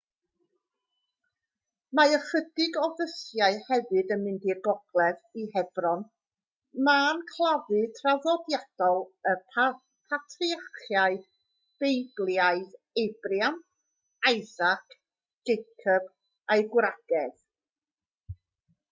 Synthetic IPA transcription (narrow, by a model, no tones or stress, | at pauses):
maəχədɪɡɔðəsjaɨhɛvɨdənmɪndirɡɔɡ̥lˠɛðihɛbrɔn | maːnkʰlˠavɨtʰravɔdjad̥ɔlˠəpʰa | pʰatʰriaχjaɨð | b̥ejblˠjaɨð | ejbrjam | ajzakʰ | ɡ̥ejkʰɔb | ajɡwɾaɡ̥ɛð̥